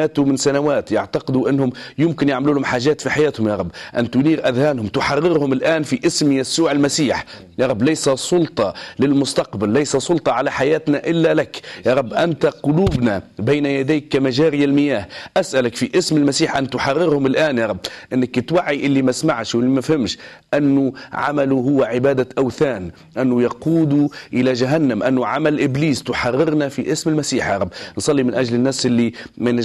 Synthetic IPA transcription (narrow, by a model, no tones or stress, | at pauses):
aːt̪ʊmɪnsanawaːt̪jaʕt̪aqɪd̪uʔɪnːhʊmjɪmkɪnjɪʕmluːlhʊmħaːʒaːt̪fiħajaːt̪hʊmjɑːɾˤɑbːʔant̪ʊniːɾʔad̪haːnhʊmt̪ʊħɑrːɪɾhʊmɪlʔaːnfiʔɪsmjasuːʕalmasiːħ | jɑːɾˤɑbːlajsasˤʊlt̪ˤɑlɪlmʊst̪ɑqbalːajsasˤʊlt̪ˤɑʕalaħajaːt̪naʔɪlːalakjɑːɾˤɑbːʔant̪aqʊluːbnabejnajad̪aːkːamaʒaːɾɪjalmɪjaːhʔasʔalakfiʔɪsmɪlmasiːħʔanːt̪ʊħɑrːɪɾhʊmɪlʔaːnjɑːɾˤɑbːʔɪnːɪkt̪waʕːiʔɪlːimasmaʕʃwɪlːimafhɪmʃʔanːʊʕa̰maluɦʊwːaʕɪbaːd̪aʔawθaːn | ʔanːʊjɑquːd̪uʔɪlad͡ʒaɦanːamʔanːʊʕamalʔɪbliːst̪ʊħɑrːɪɾnafiʔɪsmɪlmasiːħjɑːɾˤɑbːnsˤɑlːimɪnʔaʒlɪnːaːsʔɪlːimɪn